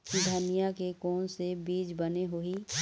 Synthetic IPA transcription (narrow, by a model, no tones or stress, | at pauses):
kid̪ʱənijakekɔːnsebiːd͡ʒbəneɦoi